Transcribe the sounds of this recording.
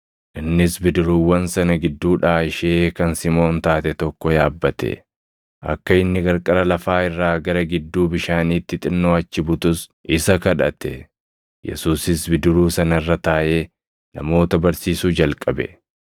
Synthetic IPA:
ʔɪnːɪsbɪd̪ɪɾuːwːɐnsɐnɐɡɪd̪ːuːᶑaːɪʃeːkɐnsɪmo̞ːnt̪aːt̪ɛt̪ɔkːɔjaːbːɐt̪ɛ̰ | ʔɐ̰kːɐɪnːɪɡɐɾkʼɐɾɐlɐfaːɪrːaːɡɐɾɐɡɪd̪ːuːbɪʃaːniːt̪ːɪt̪ʼɪnːoːɐt͡ʃːɪbʊt̪ʊsʔɪsɐkɐᶑɐ̰t̪ɛ̰ | jɛ̰suːsɪsbɪd̪ɪɾuːsɐnɐrːɐt̪aːʔe̞ː | nɐ̰mo̞ːt̪ɐbɐɾsiːsuːd͡ʒɐlkʼɐbɛ̰

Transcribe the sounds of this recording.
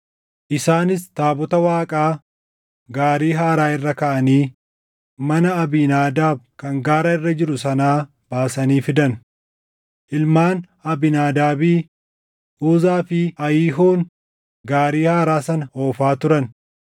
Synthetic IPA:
ʔɪsaːnɪst̪aːbɔt̪ɐwaːkʼaː | ɡaːɾiːɦaːɾaːɪrːɐkɐʔɐniː | mɐnɐɐbinaːd̪aːb̚kɐŋɡaːɾɐɪrːɐd͡ʒɪɾʊsɐnaː | b̥aːsɐniːfɪd̪ɐn | ʔɪlmaːn | ɐbɪnaːd̪aːbiː | ʔuːzaːfɪɐjiːɦoːn | ɡaːɾiːhaːɾaːsɐnɐoːfaːt̪ʊɾɐn

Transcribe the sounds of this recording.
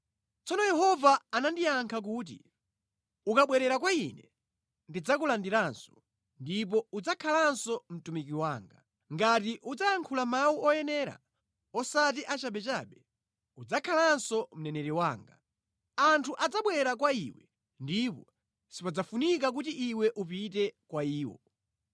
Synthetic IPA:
t͡sɔnɔjɛhɔvaːnandiaŋkʰak̬uːt̬ḭ | ukaɓwɛɾɛɾakwainɛ | ndid͡zakulandiɾansɔ̥ | ndip̬ɔud͡zakʰalansɔm̩tumikiwaːŋɡa | ŋɡatiʔud͡zaaŋkʰulamauɔjɛnɛːɾa̰ | ɔsat̬iʔat͡ʃaɓɛt͡ʃaɓɛ | ud͡zakʰalansɔm̩nɛnɛɾiwaːŋɡa | antʰuʔad͡zaɓwɛɛɾakwaiːwɛ | ndipɔ | sipad͡zafunikak̬utiʔiwɛʔupit̬ɛkwaiːwɔ̰

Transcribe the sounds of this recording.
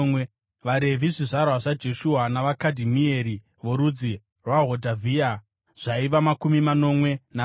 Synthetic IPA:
ʋaɾe̞vʱiʐiʐarwaʐad͡ʒe̞ʃuɦanaʋakadʱimieɾi | ʋoɾud͡zi | rwaɦodʱavʱia | ʐ̥aiʋamakumimano̞mwe̞na

